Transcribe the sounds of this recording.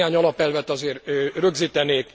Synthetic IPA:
aːɲɒlɒpɛlvɛt̪ɒzeːrrø̞ɡziːt̪ɛneːk

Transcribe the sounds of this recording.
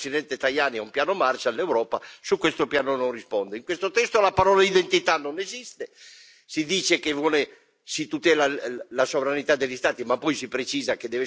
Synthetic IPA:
sid̪ɛnt̪et̪ajaːniɛumpjaːnomart͡ʃalːewɾɔːpasukːwest̪opjaːnonõnrispɔnd̪eiŋkwest̪ot̪ɛst̪olapaɾɔːlaid̪ent̪it̪anːonezist̪e | sid̪iːt͡ʃekevɔːle | sit̪ut̪ɛːlalasovɾanit̪ad̪eʎːist̪aːt̪imapːɔjsipɾet͡ʃiːzaked̪ɛve

